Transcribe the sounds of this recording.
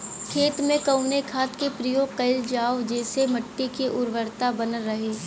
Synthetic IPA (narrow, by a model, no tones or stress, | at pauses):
kʰeːt̪mẽkɐʊnekʰaːt̪kepɾijoːɡqɐɪld͡ʒaːwd͡ʒɛːsemɐʈːikiʔʊɾʋəɾt̪abɐnəːɐɦeː